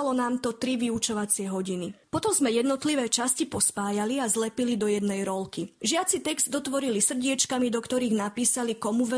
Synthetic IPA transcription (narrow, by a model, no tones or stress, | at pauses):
alɔnaːmt̪ɔt̪ɾiʋiut͡ʃɔʋat͡sɪɛɦɔɟinipɔt̪ɔmzmɛjɛd̪nɔt̪liʋɛːt͡ʃascipɔspaːjaliazlɛpilid̪ɔjɛd̪nɛjɾɔlkiʒɪat͡sit̪ɛɡz̥d̪d̪ɔt̪ʋɔɾilisr̩ɟɪɛt͡ʃkamid̪ɔkt̪ɔɾiːɣnapiːsalikɔmuʋɛ